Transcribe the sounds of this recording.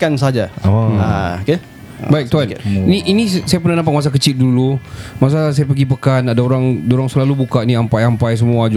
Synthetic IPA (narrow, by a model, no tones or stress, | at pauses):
kansəɦad͡ʒaaaoke | baik̚t̪uaniniʔinisajapərnanampak̚mas̬ak̬ət͡ʃɪl̚dulumas̬as̬ajapəɡipəkanadaoɾaŋadaoɾaŋsəlalubukaʔnĩampajampajs̬əmuad͡ʒ